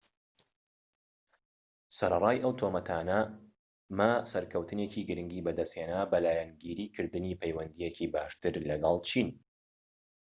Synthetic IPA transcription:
sɐɾɐrˤaːjʔɐwt̪ʰomɐt̪ʰaːnɐ | masɐɾkʰɐwt̪ɨneciːɡɨɾɨŋɡiːbɐd̪ɐsheːnaːbɐlaːjɛnɡiːɾiːkʰɨɾd̪ɨniːpʰejwɐnd̪ijekiːbaːʃt̪ɨɾlɐɡɑlˠt͡ʃʰin

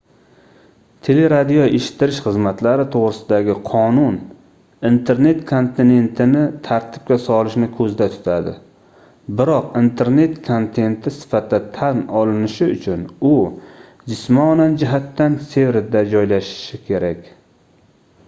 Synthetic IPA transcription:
t̪ʰe̞le̞ɾad̪ijɒeʃɪ̥t̪ːɪɾɪʃχɨzmat̪laɾɪt̪ʰoʁɾɪsɪd̪aɡʲɪqʰɒnʊn | int̪ʰe̞ɾne̞t̪kʰo̞nt̪ʰɪne̞nt̪ʰɪnɪt̪ʰaɾt̪ʰɪ̥p̚kʲasɒlˠɪʃnɪkʰɵzd̪at̪ʰʊ̥t̪ʰad̪ɪ̰ | bɪɾɒqint̪ʰe̞ɾne̞t̪kʰont̪ʰe̞nt̪ʰɪsɪ̥fat̪̚d̪at̪ʰanɒlɪnɪʃɪʊt͡ʃʰʊnʊ | d͡ʒɪsmɒnand͡ʒɪɦat̪ːanse̞vɾɪd̪ad͡ʒɒjlaʃɪ̥ʃɪkʲʰe̞ɾakʲ

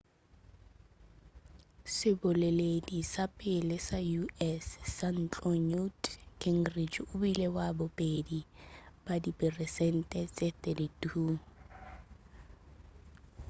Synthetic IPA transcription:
sɪbʊleledisapʼɪlɪsajuɛsːan̩t͡ɬʼɔɲutkʰɛŋ̩rid͡ʒʊbilewabʊpʼedib̥adipʼɛrɛsɛn̩tʼɛt͡sʼetʼɛditʰʼuː

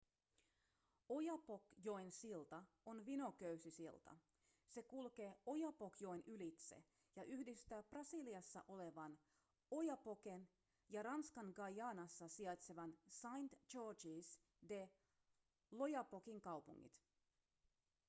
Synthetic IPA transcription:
o̞jɑpokjo̞ensilt̪ɑ | onʋino̞køɥsisilt̪ɑ̰ | se̞kulke̞ːo̞jɑpo̞kjo̞jnylit̪sḛ | jɑʔyhdist̪æːprɑsiliɑsːɑ̰ʔo̞le̞ʋɑn | o̞jɑpo̞ke̞n | jɑɾɑnskɑŋɡɑjɑːnɑsːɑsiɑt̪seʋɑnsɑjnt̪t͡ʃod͡ʒiːs | de̞ | lo̞jɑpokiŋkɑwpuŋːḭt̪

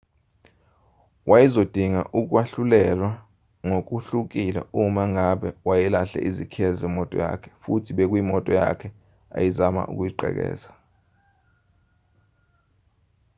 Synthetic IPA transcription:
wʔajizod̥ʱiŋa̰ʔuk̬ʼwaɬulɛlwa | ŋok̬ʼuɬuk̬ʼilɛ̰umaŋaɓɛwajɛlaɬɛ̰ʔizikʰiɛzɛmɔtʼɔ̰ja̰kʰɛ̥futʰiɓek̬wimɔtʼɔja̰kʰɛ | a̰jizama̰ʔṵk̬ʼujiǃɛ̰k̬ɛ̰ːzḁ

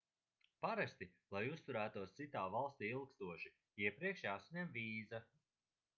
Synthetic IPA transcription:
paɾast̪ilˠajust̪uɾæːt̪uɔst̪sit̪aːvalˠst̪iːilˠkst̪uɔʃi | iɛpɾiɛkʃjaːsaɲɛmviːza

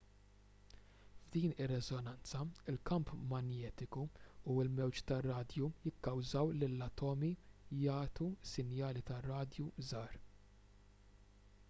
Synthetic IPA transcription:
vd̪iːnɪrːɛzɔnɐnt͡sɐɪlkɐmpmɐnjɛːt̪ɪkuuɪlmɛwt͡ʃt̪ɐrːɐːd̪jujɪkːɐwzɐwlɪlːɐt̪ɔːmijɐːt̪usɪnjɐːlit̪ɐrɐːd̪juzɐːɾ

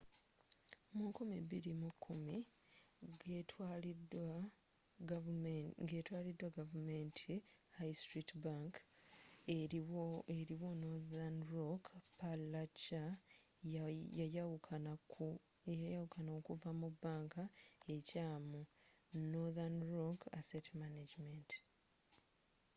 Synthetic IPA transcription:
mukumiβiɾimukʰːumi | ɡe̞ːtwaːlidwaɡavume̞ːntʰihajstɾitbaŋk | eɾiwonoðanɾokpallat͡ʃa | jajkʰ | jajawukanaokuvamubaːŋkae̞caːmu | noðanɾoka̰setmanad͡ʒiment

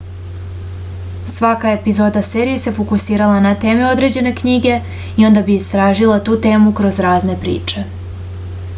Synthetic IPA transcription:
sʋakae̞pizo̞ːd̪aseːɾijese̞fokusiːɾalanat̪e̞ːmeo̞d̪ɾe̞d͡ʑe̞ne̞kɲiɡe̞ | io̞nd̪abiist̪ɾaːʒilˠat̪uːt̪e̞ːmukɾo̞zɾaːzne̞pɾḭːt͡ʂe̞

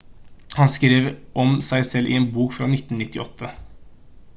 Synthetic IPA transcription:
hɑnskɾeːʋʔɔmsæɪsɛlːʔɪ̰eːnbuːkfɾɑːnɪt̪ːn̩nɪt̪ːɪʔɔt̪ʰːə

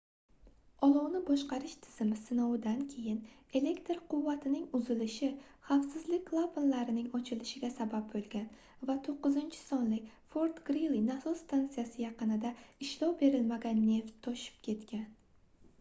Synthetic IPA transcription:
ɒlˠɒwnɪbɒʃqɑɾɪʃt̪ʰɪ̥z̥ɪmɪsɪnɒwɪd̪ankʲʰe̞jɪne̞le̞kt̪ɾqʰʊvːat̪ʰɪnɪŋʊzɪlɪʃɪ | χafsɪzlɪk̚ʲkʰlˠaponlaɾɪnɪŋɒt͡ʃʰɪlɪʃɪɡʲasabab̚bolˠɡʲan | vat̪ʰoqːɨzɪnt͡ʃʰɪ̥sɒnlɪkʲfo̞ɾt̪ɡɾilˠinasɒst̪ʰant̪sijasɪjɑqɨnɪd̪aɪʃlɒwbe̞ɾɪlmaɡʲanːe̞ft̪ʰːɒʃɪ̥pkʲʰe̞t̪kʲʰan

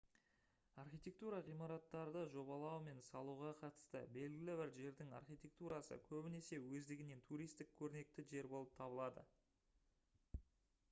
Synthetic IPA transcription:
ɑrχijt̪ʲe̞k̚t̪uɾɑʁijmɑɾɑt̪ːɑɾd̪əʒo̞bɑlˠɑwme̞nsɑlˠuʁɑqʰɑt̪ə̥st̪ə̰be̞lɡʲɪlɪbɪɾʒe̞ɾd̪ɪŋɑ̰rχijt̪ʲe̞k̚t̪uɾɑsə̰kʲʰɵbɪne̞se̞wɵzd̪ɪɡʲɪne̞nt̪ʰuɾijst̪ɪk̚ʲʰɵɾɪne̞k̚t̪ɪʒe̞ɾbo̞lˠəp̚t̪ʰɑbəlˠɑd̪ə̰

